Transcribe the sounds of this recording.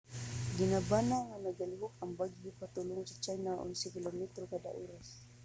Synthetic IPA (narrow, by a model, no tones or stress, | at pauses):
ɡinabanaŋanaɡaliɦʊk̚aŋbaɡipat̪ulʊŋsḁt͡ʃajnaʔɔ̰nsikilamɛt̪ɾokada̰ʔuɾas